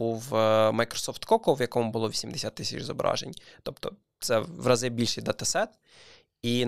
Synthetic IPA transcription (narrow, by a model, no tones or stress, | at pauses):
uʋmɐjkɾɔ̥sɔft̪kɔkɔʋjɐkɔmʊbʊlˠɔʋʲisʲimd̪esʲat̪ːɪsʲḭt͡ʃzɔbɾɑ̰ʒḛnʲt̪ɔpt̪ɔ | t̪sɛʋɾɐzɪbʲilʲʃijd̪ɐt̪ɐsɛt̪ | in